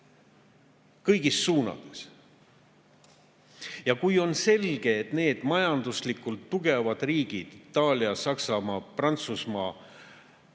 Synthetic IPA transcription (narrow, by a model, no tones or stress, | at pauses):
kɤjɡisːuːnɑ̰d̪̥e̞s | jɑkujo̞nse̞lɡ̥e̞ːt̪ne̞ːd̪̥mɑjɑnd̪uslikːult̪ːuɡe̞vɑd̪̥riːɡ̥id̪̥it̪ːˑɑːlʲiɑsɑksɑmɑːprɑnt̪susmɑː